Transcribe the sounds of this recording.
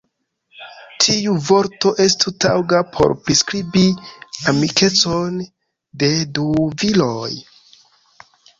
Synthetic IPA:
tʰiuvo̞ɾto̞ʔe̞stutawɡapʰo̞̰ɾpɾiskɾibiamikʰe̞t͡so̞n | de̞duviloj

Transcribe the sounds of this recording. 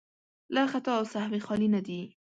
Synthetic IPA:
laxat̪ɑwsahwexɑlinad̪i

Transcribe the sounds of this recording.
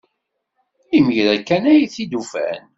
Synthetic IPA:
iməʝðækːænæjiθid̪ufæ̰n

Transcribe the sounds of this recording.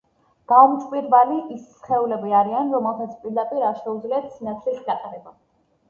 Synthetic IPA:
ɡ̥aumt̪t͡ʃʼpʼiɾbaliisχɛulɛbiaɾianɾɔmɛlˠsat̪sʰpʼiɾd̪apʼiɾaɾʃɛud̪zliat̪ʰsinat̪sʰlisɡat̪ʼaɾɛba

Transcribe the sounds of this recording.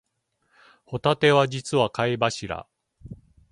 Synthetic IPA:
ho̞t̪at̪e̞βad͡ʑit͡sɨβakaebaɕiɾa̰

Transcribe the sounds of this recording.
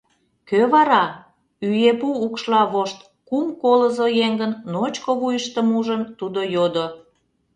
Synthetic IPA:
køβɑɾɑ | yjepuːkʃlɑβoʃt̪ | kumkoləzojeŋɡənːot͡ɕkoβujəʃt̪əmuʒənt̪ud̪ojod̪o

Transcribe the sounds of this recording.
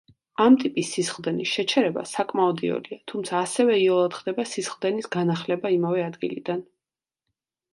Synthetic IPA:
amt̪ʼipʼisːisχd̪ɛnisʃɛt͡ʃʰɛɾɛba̰sakʼmaɔd̪ḭɔ̰liat̪ʰumt̪sʰaːsɛvɛiɔlˠat̪χd̪ɛbasisχvd̪ɛnisɡanaχlɛbaimavɛad̪ɡḭlḭd̪an

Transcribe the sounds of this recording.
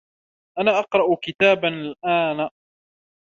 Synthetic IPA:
ʔanaːʔɑqɾˤɑʔʊkɪt̪aːbanlʔaːn

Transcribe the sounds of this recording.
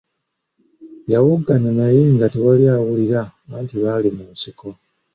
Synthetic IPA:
jawuɡananajeŋɡatewaljaːwuliɾaβaːntiβalimuːsiko̞

